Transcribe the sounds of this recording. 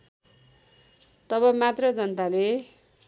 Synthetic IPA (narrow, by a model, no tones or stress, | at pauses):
t̪ʌβʌmat̪rʌd͡zʌnt̪ale